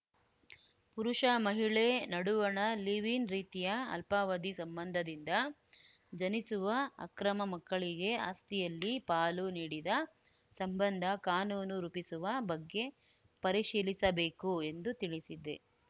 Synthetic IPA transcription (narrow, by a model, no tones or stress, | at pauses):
puɾuʂɐmɐɦiɭenɐɽuʋɐɳɐliʋinɾiːt̪ijɐɐ̰lpaːʋɐd̪isɐmbɐnd̪ʱɐd̪ind̪ɐ | d͡ʒɐnisuʋɐɐ̰kɾɐmɐmɐkːɐɭiɡe̞a̰ːst̪ijɐlːipaːluniːɽid̪ɐ | sɐmbɐnd̪ʱɐkaːnuːnuɾuːpisuʋɐbɐɡːe̞ | pɐɾiʃiːlisɐbeːkue̞nd̪ut̪iɭisid̪e̞̰